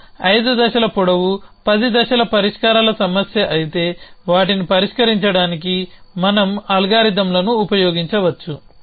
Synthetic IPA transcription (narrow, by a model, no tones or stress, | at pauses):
ɐjd̪ud̪ɐʃɐlɐpuɽɐʋupɐd̪id̪ɐʃɐlɐpɐɾiʂkaːɾaːlɐsɐmɐsjɐʔɐjit̪e̞ːʋaːʈinipɐɾiʂkɐɾiɲt͡ʃɐɽaːnik̬imɐnɐmɐlɡaːɾid̪ɐmlɐnuːpɐjɔːɡiɲt͡ʃɐʋɐt͡ʃːu